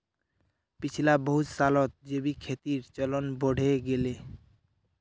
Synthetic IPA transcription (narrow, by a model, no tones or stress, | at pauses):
pit͡ʃʰilabɔɦut̪salɔt̪̚d͡ʒebikʰet̪iɾt͡ʃɔlɔnbɔɽ̤ʱeɡele